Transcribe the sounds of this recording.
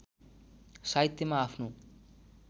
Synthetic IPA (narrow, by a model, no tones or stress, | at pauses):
sajt̪ːimaːfnu